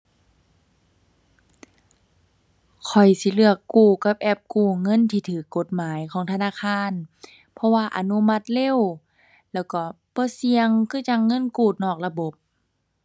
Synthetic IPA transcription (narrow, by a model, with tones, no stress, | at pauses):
kʰɔ˨˩jsi˧˦lɯ˧˩əkːuː˧˩ka˧˦p̚ʔɛ˧˩p̚kuː˧˩ŋɤ˧˥˨nt̪ʰiː˧˩t̪ʰɯː˨˩˦kːo˧˦t̪̚maː˨˦jkʰɔː˨˦ŋt̪ʰa˧naː˧˥˨kʰaː˧˥˨n | pʰɔ˧waː˧ʔa̰˧˦nu˧˨ma˧t̪̚le˧˥˨w | lɛː˧˩wkɔ˧˩ | b̥ɔː˧˦si˧əŋkʰɯː˧˥˨t͡ɕa˧ŋːɤ˧˥˨nkuː˧˩t̪̚nɔː˧˩k̚la˧bo˧˦p̚